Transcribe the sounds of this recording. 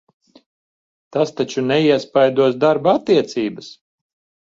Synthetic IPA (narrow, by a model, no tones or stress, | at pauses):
t̪ast̪at͡ʃunɛiɛspajd̪uɔs̬d̪aɾbaat̪ːiɛt̪siːbəs